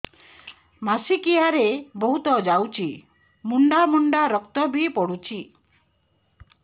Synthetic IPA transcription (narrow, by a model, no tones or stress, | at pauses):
masikiaɾebɔɦut̪ɔd͡ʒawt͡ʃʰi | muɳɖamuɳɖaɾɔkt̪ɔbʱipɔɽut͡ʃʰi